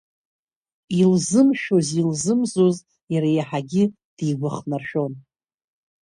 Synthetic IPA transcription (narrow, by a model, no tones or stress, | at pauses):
ilzɨmʃᶣozilzɨmzoz | jaɾajaħaɡʲɪ | d̥ijɡʷaχnarʃᶣo̞n